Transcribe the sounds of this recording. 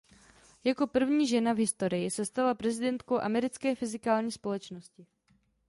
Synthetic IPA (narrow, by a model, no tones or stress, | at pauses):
jako̞pr̩vɲiːʒɛnavɦɪst̪o̞ɾɪjɪsɛst̪alapɾɛzɪdɛnt̪kowʔamɛɾɪt͡skɛːfɪzɪkaːlɲiːspo̞lɛt͡ʃno̞scɪ